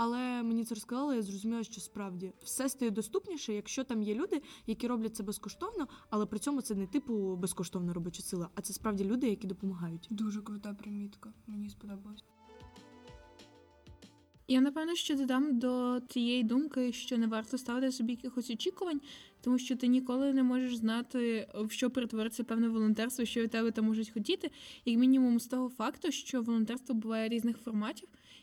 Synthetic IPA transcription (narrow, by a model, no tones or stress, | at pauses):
ɐlˠɛmenʲit̪sɛɾɔskɐzɑlˠɪjazrɔzʊmʲilˠɐʃt͡ʃɔspɾɑwdʲiwsɛst̪ɐjɛd̪ɔst̪upnʲiʃɛjɐkʃt͡ʃɔt̪ɑmjɛlʲud̪ɪjɐkʲiɾɔblʲɐt̚t̪sɛbɛskɔʃt̪ɔwnɔɐlˠɛpɾɪtt͡sʲɔmʊt̪ɛnɛt̪ɪpʊbɛskɔʃt̪ɔwnɐɾɔbɔt͡ʃʊsɪlˠɐʔɐt̪sɛspɾɑʋdʲilʲud̪ɪjɐkʲid̪ɔpɔmɐɦɑjʊtʲd̪uʒɛkɾʊt̪ɑpɾɪmʲit̪kɐmenʲispɔd̪ɔbɐlˠsʲ | janɐpɛwnɔʃt͡ʃɔd̪ɐd̪ɑmd̪ɔt̪ʲijejid̪umkɪʃt͡ʃɔnɛʋɑrt̪ɔst̪ɑʋɪt̪ɪsɔbʲijɐkʲɪxɔsʲɔt͡ʃʲikʊʋɐnʲt̪ɔmuʃt͡ʃɔt̪ɪnʲikɔlˠɪnɛmɔʒeʃznɑt̪ɪwʃt͡ʃɔpeɾet̪ʋɔɾɪt͡sʲːɐpɛwnɛʋɔlˠɔnt̪ɛrst̪ʋɔʃt͡ʃɔʋʲid̪t̪ɛbɛt̪ɐmːɔʒʊtʲxɔtʲit̪ɪjɐkmʲinʲimumst̪ɔɦɔfɑkt̪ʊʃt͡ʃɔʋɔlˠɔnt̪ɛrst̪ʋɔbʊʋɑjɛɾʲiznɪxfɔrmɑtʲiw